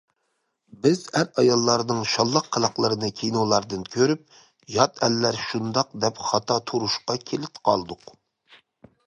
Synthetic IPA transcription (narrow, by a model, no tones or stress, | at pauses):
bɪzæɾɑjɑlˠːɑɾnɨŋʃɑlˠːɑqʰːəlˠɑqlˠəɾɨnɨkʲʰejnolˠɑɾd̪ɨnkʲʰøɾyp̚ | jɑt̪ʰɛlːæɾʃund̪ɑqd̪ɛpχɑt̪ʰɑt̪ʰuɾuʃqɑkʲʰelɪt̪qʰɑlˠd̪ʊq